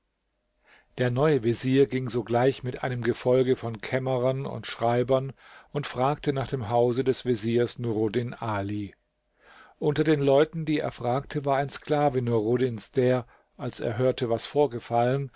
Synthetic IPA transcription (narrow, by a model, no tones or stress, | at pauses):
d̥eːɐnɔʏəveziːɐɡɪŋzoːɡlaɪçmɪtʔa̰ɪnəmɡəfɔlɡəfɔnkʰɛməʁɐnʊ̰ntʃʁ̥aɪbɐnʔʊntfʁ̥aːk̚tʰənaːχd̥eːmɦaʊzədɛsv̥eziːɐsnuʁodɪnʔaːli | ʔʊntɐdeːnlɔʏtn̩diːḛːɐfʁ̥aːk̚tʰəvaːɐaɪnsklaːvənuɐʁodɪnsd̥eːɐ | ʔalsʔḛːɐɦøːɐtʰəvasfoːɐɡəfalən